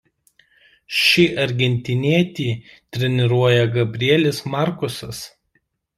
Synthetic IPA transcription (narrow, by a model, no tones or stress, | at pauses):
ʃʲiʔɐɾʲɡʲɛnʲt̪ʲɪnʲiɛt̪ʲiːt̪ʲɾʲɛnʲɪɾuɔjɛɡɐbʲɾʲiɛlʲɪsmɑˑɾkʊsɐs